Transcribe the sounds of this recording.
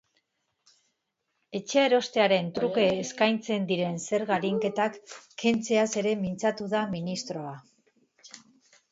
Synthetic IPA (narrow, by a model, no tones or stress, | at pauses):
e̞t͡ʃe̞eɾo̞st̪e̞aɾe̞nt̪ɾuke̞ːskajnt͡se̞nd̪iɾe̞nse̞ɾɣaɾiŋke̞t̪akːe̞nt͡se̞ase̞ɾe̞mint͡sat̪uðaminist̪ɾo̞a